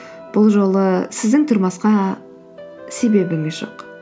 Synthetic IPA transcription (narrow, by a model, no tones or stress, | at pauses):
b̥ʊlˠʒo̞lˠəsɪzd̪ɪŋt̪ʰʊɾmɑsqɑ | se̞be̞bɪŋɪzʒo̞̰q